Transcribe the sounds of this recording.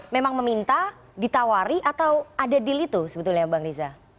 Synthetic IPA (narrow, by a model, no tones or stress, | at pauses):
memaŋməmint̪a | dit̪awaɾiʔat̪awadadilit̪usəbət̪ulɲabaŋɾiza